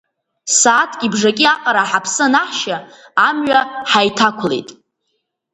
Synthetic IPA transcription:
saːtʰɡʲibʐakʲʼiaqʼaɾaħapʰsɨnaħʃaamɥaħajtʰakʷʰlḛjtʼ

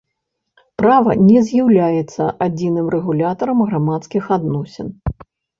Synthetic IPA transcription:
pɾavɐ̰nʲɛzʲjawlʲajɛt̪sːɐʔad͡zʲinɨmrɛɣulʲat̪ɐɾɐmɣɾamat̪skʲixad̪nɔsʲɛn

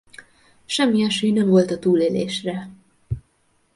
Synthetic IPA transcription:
ʃɛmːiɛʃøːjnɛɱvo̞lt̪ɒt̪uːleːleːʃrɛ

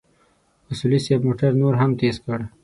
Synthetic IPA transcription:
masulisebmoʈaɾnoɾɦamt̪ezkəɽ

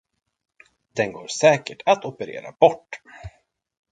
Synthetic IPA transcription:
d̪̥ɛnɡoːɾsɛːkəʈʰat̪ɔpəɾḛːɾa̰bɔʈː

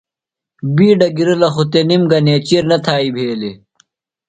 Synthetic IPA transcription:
biːɖɐɡiɾɐlɐxut̪enimɡɐneːt͡ɕiɾnɐt̪ʰaːibʱeːle

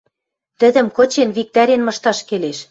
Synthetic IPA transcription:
t̪ɘ̆d̪ɘ̆mkɤ̆t͡ɕenβik̚t̪æɾenmɤ̆ʃt̪ɑʃkeleʃ

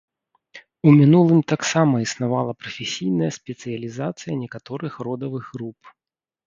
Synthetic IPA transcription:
umʲinulˠɨmt̪aksamɐisnavalˠɐpɾɐfʲesʲijn̪ɐjɐsʲpʲɛt̪sɨjɐlʲizat̪sɨjɐnʲɛkat̪ɔɾɨxrɔd̪ɐvɨɣɾup

